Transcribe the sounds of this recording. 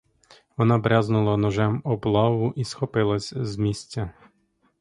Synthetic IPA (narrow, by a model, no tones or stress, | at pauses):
ʋɔnɑbɾʲaznʊlˠɐnɔʒɛmɔblˠɑʋʊʔisxɔpɪlˠɐsʲzmʲisʲtʲːɐ